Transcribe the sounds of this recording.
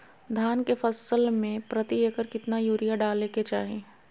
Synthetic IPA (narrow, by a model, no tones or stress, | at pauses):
d̪ʱjaːnkefɐsəlmẽpɾɐt̪ieːkəɾkɪt̪najuːɾijaɖaːleket͡ʃa̰ːɦẽː